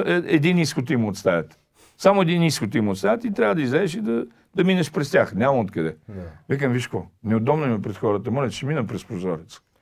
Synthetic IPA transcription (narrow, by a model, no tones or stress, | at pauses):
ɛɛd̪iniskot̪imːt̪st̪ajʲət̪ | samʊɛd̪iniskot̪imot̪st̪ajət̪it̪ɾʲavəd̪ɐizɛːʃid̪ɐ | d̪ɐminɐʃpɾɛst̪ʲaxnʲamɐot̪kɐd̪ɛvɛk̬əmviʃkvɔnɛod̪ɔbnʊimɛpɾɛt̪xɔɾət̪əmɔlʲɛt͡ʃɛminəpɾɛspɾozɔɾit̪sə̥